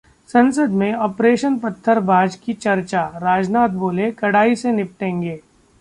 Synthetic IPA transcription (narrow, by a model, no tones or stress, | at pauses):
sɐ̃nsəd̪mẽɔːpɾeːʃənpɐt̪ʰːəɾbʱaːd͡ʒkit͡ʃɐɾt͡ʃaɾaːd͡ʒnaːt̪̚boːlekɐɽaːisenɪp̚ʈẽːŋɡeː